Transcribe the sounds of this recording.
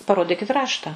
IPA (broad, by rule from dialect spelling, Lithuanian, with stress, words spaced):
pɐˈroːdʲɪkʲɪt ˈrɑːʃtɐ